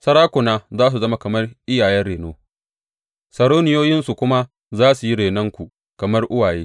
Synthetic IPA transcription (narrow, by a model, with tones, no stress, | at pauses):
sɐ˦ɽaː˦kʷʊ˨naː˦zaː˦s̬u˨zɐ˦ma˦kɐ˨mɐ˦rʔɪ˦jaː˨jɛ˦nɽeː˨noː˦ | sɐ˨ɽoː˦nɪ˦joː˦jɪ˦nsu˨kʷʊ˦ma˦ | zaː˦su˨ji˦ɽeː˨nɐ˦ŋkʷu˨ | kɐ˨mɐ˦rʔʊ˦waː˨jeː˦